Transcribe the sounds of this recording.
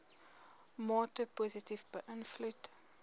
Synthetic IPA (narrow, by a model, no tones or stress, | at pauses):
mɑːtəpuːzitifbəʔənflut